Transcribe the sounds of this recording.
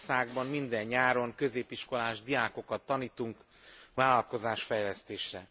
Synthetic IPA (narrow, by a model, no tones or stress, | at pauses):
saːɡbɒmmind̪ɛɲːaːɾo̞ŋkø̞zeːpiʃko̞laːʒd̪ijaːko̞kɒt̪ːɒniːt̪uŋk | vaːlɒlko̞zaːʃfɛjlɛst̪eːʃrɛ